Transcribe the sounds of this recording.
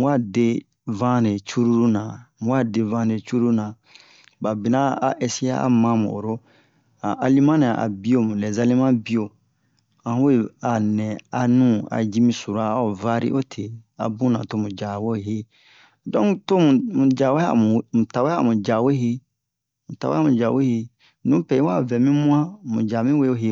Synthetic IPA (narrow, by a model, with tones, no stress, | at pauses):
wa˦˨de˦ | vã˦ne˨t͡ʃu˦ɾu˦ɾu˦nã˨mũ˨wa˦˨de˨vã˦ne˨t͡ʃu˦ɾu˦ɾu˦nã˨ | ba˨bi˨nã˦a˨ʔɛ˦si˦a̰˦a̰˨mã˦mṵ̃˨o̰˨ɾo˦ | a˨ʔa˨li˦mã˦ne˨a˨ʔa̰˨bi˦o˦mũ˨nɛ˨za˦li˦mã˦bi˦o˨ | ã˨hũ˦we˦˨a˨nɛ̃˨a˨nũ˦a̰˨d͡ʒi˦mĩ˦su˨ɾa˦o˨va˦ɾḭ˦ʔo˦tʰe˨a̰˨bũ˦nã̰˨to˦mũ˨d͡ʒa˨wo˦˨ɦe˦ | dɔ̃˦to˦mũ˨mũ˨d͡ʒa˨we˦a̰˨mũ˨mũ˨ta˨we˦a˨mũ˨d͡ʒa˨we˦ɦe˦ | mũ˨ta˨wḛ˦a˦mũ˨d͡ʒa˨we˦he˦ | nũ˦pɛ˨i˦wa˦˨vɛ˨mĩ˦mũ˦ã˦mṵ̃˨d͡ʒa˨mĩ˦we˦o˦ɦe˧